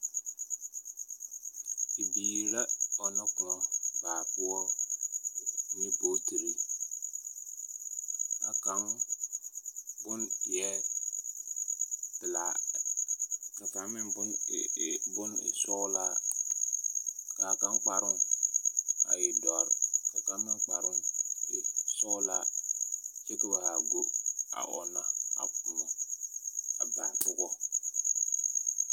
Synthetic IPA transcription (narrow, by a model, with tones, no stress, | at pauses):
i˨bi˨ɾa˦ɔ˨na˦kʊ˨nɔ˨ka˨ku˦ɔ˦ | ni˦po˨˦ti˨ɾi˦ | a˨ka˦m | bʊ˦n˨jɛ˦ | tɪ˨la̰˨ | ka˨fa˨mɪ˦nbʊ˦n˨ | bʊ˦nɪ̰˨sɔ˦la˦ | ka˨ka˦nk͡pa˨ɾʊ˦n | a̰˨ji˨dɔ˨ɾka˨ka˦mmi˦nk͡pa˨ɾʊ˦n˨ | sɔ˦la˦ | t͡ʃe˦ki˦ba˨ha˨ɡo˦a̰˨ʔɔ̰˨nːa˨a̰˨k̚u˨mo˨ | a˨ba˨tʊ˦ɡɔ˦